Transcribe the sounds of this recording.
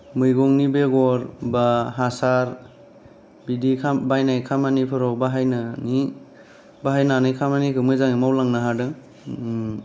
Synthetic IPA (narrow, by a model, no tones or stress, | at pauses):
mɯjɡɔŋnibeɡɔɾbaɦasaɾ | bidikʰabajnajkʰamanipʰɯɾɔbaɦajnɯni | baɦajnanɯjkʰamanikʰɯmɯjzaŋimawlaŋnaɦadɯ